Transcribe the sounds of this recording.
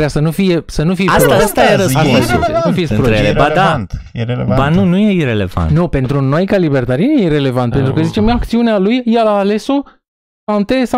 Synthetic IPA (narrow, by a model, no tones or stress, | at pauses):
ɾejasənufije̞sənufijasast̪aeɾəaasufisʲpɾoebad̪ant̪jebanunujeiɾele̞̰va̰ntnope̞nt̪ɾunojkalibert̪aɾenjeɾe̞le̞vant̪̚pe̞nt̪ɾukəzit͡ʃe̞makt̪siunealujjalaːle̞so | sant̪esa